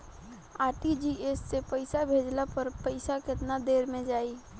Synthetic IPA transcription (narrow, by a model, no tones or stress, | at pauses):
aːɾʈid͡ʒieːsːepəɪsabʱeːd͡ʒlapəɾpəɪsakɪt̪nad̪eːɾmẽd͡ʒaːiː